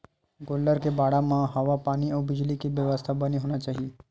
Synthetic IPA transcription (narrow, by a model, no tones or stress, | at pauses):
ɡoːlːəɾkebaːɽamãɦɐʋapaːniɔːbɪd͡ʒlikiʋjəʋəst̪ʰabəniɦoːnat͡ʃaːɦie